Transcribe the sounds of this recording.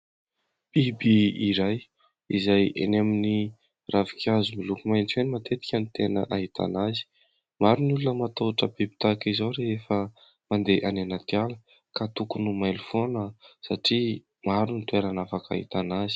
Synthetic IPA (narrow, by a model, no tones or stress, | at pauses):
b̥ibiiɾaj | izajḛnemini | ravi̥kʲazumilukumajnt͡senimat̪et̪i̥kʲənit̪enəʔaɦit̪ʰa̰nazi̥ | maɾinulunəmat̪oʈ͡ʂəbibi̥t̪akizawɾeefə | mand̪eʔananat̪jalə | kat̪ukunumajlufonəsaʈ͡ʂi | maɾunit̪ueɾanafaka̰ɦḭt̪anazi̥